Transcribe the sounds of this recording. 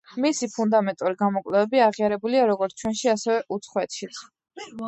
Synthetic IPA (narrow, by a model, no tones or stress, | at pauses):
misipʰund̪amɛnt̪ʼuɾiɡamɔkʼlɛvɛbiaʁiaɾɛbuliaɾɔɡɔɾt̪ʰt͡ʃʰwɛnʃiasɛvɛʔut̪sʰχwɛt̪ʃit̪sʰ